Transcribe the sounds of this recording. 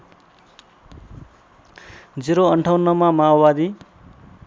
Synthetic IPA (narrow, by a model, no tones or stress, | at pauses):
d͡ziɾoʌɳʈʰawnːʌmamabad̪i